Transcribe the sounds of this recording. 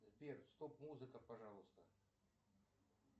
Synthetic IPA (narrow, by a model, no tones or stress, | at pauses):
zʲbʲerst̪opmuzɨkəpaʐalˠɨst̪ə